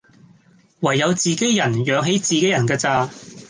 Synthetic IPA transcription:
wɐ˨˩jːɐ˨˧wt͡siː˨ke˨˥jːjɐ˨˩njœː˨˧ŋɦe˨˥jt͡siː˨ke˨˥jɐ˨˩nkɛː˧t͡saː˧˩

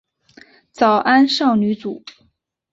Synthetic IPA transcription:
t͡sɑ˨˩ʊʔa˥nʂɑ˥˩ʊny˧˥t͡su˨˩˦

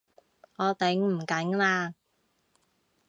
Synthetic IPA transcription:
ɔː˨˧t̪ɛ˨˥ŋm̩˨˩kɐ˨˥ŋlaː˧

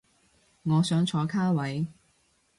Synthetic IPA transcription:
ŋɔː˨˧sœː˨˥ŋt͡ʃʰɔː˨˧˥kʰaː˥wɐ˨˥j

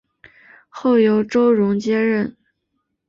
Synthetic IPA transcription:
xo˥˩ʊjo˧˥ʊʈ͡ʂo˥ʊɻʊ˧˥ŋt͡ɕjɛ˥ɻə˥˩n

